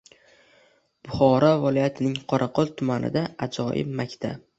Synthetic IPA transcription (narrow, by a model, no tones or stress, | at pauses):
b̥ʊχɒɾavalˠɒjat̪ʰɪnɪŋqʰɒɾʔɑqʰɒlˠt̪ʰʊmanɪ̰d̪aad͡ʒɒjɪ̰bmakʲt̪ʰa̰